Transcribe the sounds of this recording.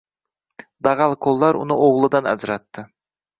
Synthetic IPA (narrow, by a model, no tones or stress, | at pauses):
d̪ɑʁɑlˠkʰolˠːɑɾṵnɨʔoʁlˠɨd̪ɑnæ̰zɾɑt̪ːɪ